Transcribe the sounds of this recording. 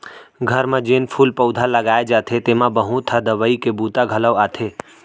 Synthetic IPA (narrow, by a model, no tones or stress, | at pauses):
ɡʱəɾmãd͡ʒeːnpʰuːlpəʊd̪ʱaləɡaːed͡ʒat̪ʰet̪emãbəɦũt̪ʰad̪əʋəikebut̪aɡʱələʋaːt̪ʰe